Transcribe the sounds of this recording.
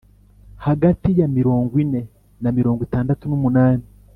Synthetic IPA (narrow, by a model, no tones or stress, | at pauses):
haɡatijamiɾoːŋɡwine̞ | namiɾo̞ːŋɡwitaːndatunumunaːni